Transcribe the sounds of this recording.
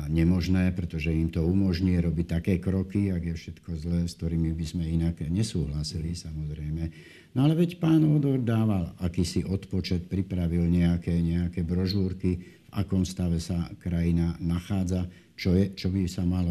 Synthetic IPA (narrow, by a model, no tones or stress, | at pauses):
ɲɛmɔʒnɛːpɾɛt̪ɔʒɛimt̪ɔumɔʒɲiɾɔbict̪akɛːkɾɔkiaɡjɛfʃɛt̪kɔzlɛːskt̪ɔɾiːmibizmɛinaɡɲɛsuːɦlasilisamɔzɾɛjmɛ | nɔalɛʋɛcpaːnɔd̪ʋɔɾd̪aːʋalakiːsiʔɔt̪pɔt͡ʃɛt̪̚pɾipɾaʋilɲɛakɛːɲɛakɛːbɾɔʒuːɾkiva̰kɔmst̪aʋɛsakɾajinanaxaːd͡za | t͡ʃɔɛt͡ʃɔbisamalɔ